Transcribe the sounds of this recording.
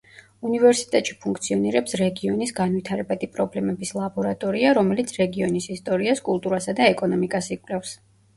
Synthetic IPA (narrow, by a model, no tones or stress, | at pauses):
univɛɾsi̥t̪ʼɛt̪ʼʃipʰuŋkʰt̪sʰiɔniɾɛpsɾɛɡiɔnisɡanvit̪ʰaɾɛbad̪ipʼɾɔblɛmɛbislˠabɔɾat̪ʼɔɾiaɾɔmɛlit̪sʰɾɛɡiɔnisist̪ʼɔɾiaskʼulˠt̪ʼuɾasad̪aɛkʼɔnɔmikʼasikʼwlɛfs